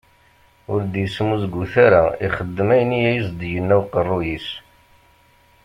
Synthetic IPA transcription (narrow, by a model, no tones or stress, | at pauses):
ʊɾd̪jəsmuzɡuθaɾaiχəd̪ːəmæjənːijæjəs̬d̪jənːæwqərˤːujis